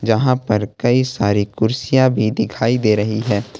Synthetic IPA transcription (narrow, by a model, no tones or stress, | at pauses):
d͡ʒɐɦãpɐɾkɐisaːɾikʊɾsijãbʱid̪ɪkʰaːid̪eːɾɐɦiɦɛː